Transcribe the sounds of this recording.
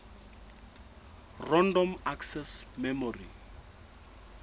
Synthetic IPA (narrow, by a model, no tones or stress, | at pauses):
rɔndɔmaksɛsmɛmɔrḭ